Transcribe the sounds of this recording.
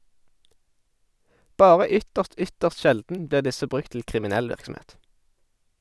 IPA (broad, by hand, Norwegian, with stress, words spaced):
ˈbɑːʁə ˈʏtəʁst ˈʏtəʁs ˈʃɛldn̩ ˈbliːʁ ˈdɪsə ˈbʁʉk tl̩ kʁɪmɪˈnɛl ˈʋɪʁksm̩ˌeːt